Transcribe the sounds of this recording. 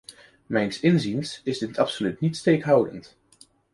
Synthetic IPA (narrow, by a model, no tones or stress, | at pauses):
mɛjnsɪnzinsɪzdɪtɑpsolytnitstejkɦʌwdə̰nt